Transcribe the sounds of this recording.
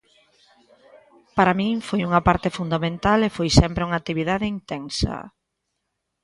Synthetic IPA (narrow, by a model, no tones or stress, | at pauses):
paɾamĩŋfojuŋɐpaɾt̪efund̪amẽnt̪alefojsɛmpɾeuŋat̪iβiðaðɪint̪ɛŋsɐ̰